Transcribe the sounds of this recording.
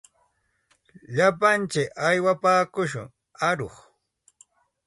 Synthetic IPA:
ʎapant͡ʃɪkajwapaːkʊʃʊ̰ŋ | aɾoχ

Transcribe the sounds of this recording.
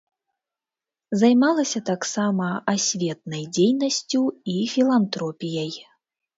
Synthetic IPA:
zajmalˠɐsʲɐt̪aksamɐasʲvʲɛt̪̚nɐjd͡zʲejnɐsʲt͡sʲuifʲilˠant̪ɾɔpʲijɐj

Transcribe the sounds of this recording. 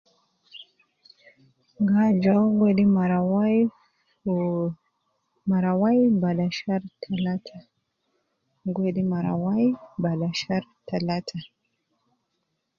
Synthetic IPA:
ŋɡad͡ʒawɡwɛdimaɾw | maɾawajbalaʃaɾtʰalatʰa | ɡwedimaɾa̰wajbalaʃaɾtʰalatʰa

